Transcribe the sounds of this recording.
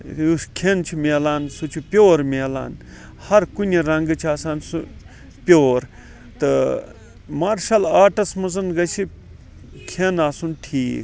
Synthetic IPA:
uskʰent͡ʃʰimeːlaːnsut͡ʃʰupʲjoːɾmeːla̰ːn | hɐɾkunʲiɾɐŋɡɨt͡ʃʰiaːsaːnsu | pʲoːɾ | t̪ɨ | maːɾʃɐlaːʈɐsmɐzɐnɡɐsʰi | kʰenaːsunʈʰiːk

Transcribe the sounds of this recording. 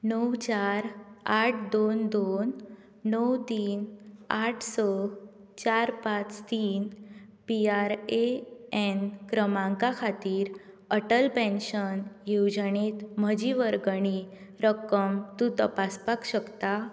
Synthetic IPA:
nəwt͡ɕaɾaʈʰd̪ond̪onː | əwt̪iːnaʈʰsɔ | t͡ɕaɾpãt͡st̪iːnpiaɾeenkɾəmãŋkakʰat̪iːɾ | əʈəlpɛ̃nɕənjewd͡ʑəɳet̪m̤əd͡ʑiʋəɾɡəɽ̃i | ɾəkəmt̪ũt̪əpaspakɕəkt̪a

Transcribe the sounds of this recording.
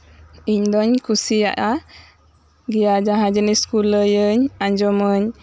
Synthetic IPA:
iɲdɔɲkusia̰ʔa | ɡijad͡ʒaɦad͡ʒəniskuləjəɲaɲd͡ʒɔməɲ

